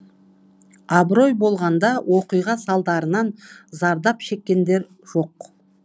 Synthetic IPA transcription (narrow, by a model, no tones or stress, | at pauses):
ɑbɾo̞jbo̞lˠʁɑnd̪ɑwʔoqijʁɑsɑlˠd̪ɑɾənɑnzɑɾd̪ɑpʃe̞kʲːe̞nd̪e̞ɾ | ʒ̥o̞q